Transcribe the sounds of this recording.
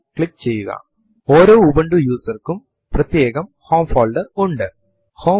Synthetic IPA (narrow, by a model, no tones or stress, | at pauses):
kɭikːt͡ɕe̞jːuɣɐ̰ | oːɾo̞ːubɐɳɖujuːsɐrkum | prɐt̪je̞ːɣɐmho̞ːmfoːɭɖɨuɳɖɨ | ho̞ː